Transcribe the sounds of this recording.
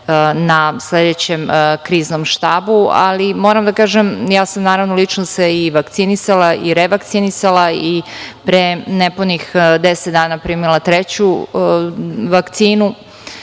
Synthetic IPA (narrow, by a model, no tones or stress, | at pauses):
nasle̞d̪et͡ɕemkɾiːznomʃt̪aːbua̰limoːɾamd̪akaːʒemjaːsamnaːɾavʋnolit͡ʃnoseiʋakt̪sinisalaʔiɾeʋakt̪sinisalˠaipɾeneponixd̪eset̪̚d̪aːnapɾimilˠat̪ɾet͡ɕu | ʋakt̪siːnu